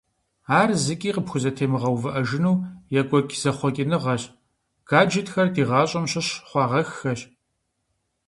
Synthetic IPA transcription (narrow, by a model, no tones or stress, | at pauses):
aːrzɨkʲʼiːqəpxʷʊzɐtʰeːmɨʁɐwvɨʔɐʒɪnuːjɛkʷʼɔkʲʰʼz̥ɐχʷɔkʲʼɪnɨʁɐɕ | ɡ̥aːd͡ʒɪtxɐrdiːʁɑːɕʼɐmɕɪɕχʷɑːʁɐxːɐɕ